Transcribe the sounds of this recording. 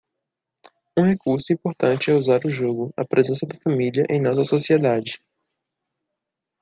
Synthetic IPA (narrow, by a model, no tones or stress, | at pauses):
ũhekuɾsʊĩpoɾt̪ɐ̃nt͡ʃɪɛuzaɾʊʒoɡʊɐ̰pɾʔezẽsɐd̪ɐfɐ̃miliɐʔẽj̃nɔsɐsosied̪ad͡ʒɪ